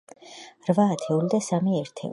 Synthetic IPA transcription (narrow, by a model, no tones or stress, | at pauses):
ɾvaːt̪ʰɛulid̪asamiɛɾt̪ʰɛ̰